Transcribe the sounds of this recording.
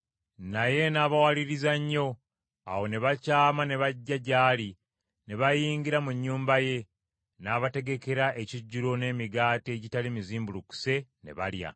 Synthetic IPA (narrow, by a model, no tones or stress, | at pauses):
naje̞naːβawaliɾizaɲːo̞ | awo̞ne̞βacaːmane̞βaɟːaɟaːli | ne̞βajiːŋɡiɾamuɲːuːmbaje̞ | naːβate̞ɡe̞ke̞ɾaʔe̞ciɟːuɾo̞ne̞ːmiɡaːte̞ɟitalimiziːmbuluku̥se̞ne̞̰βa̰lja̰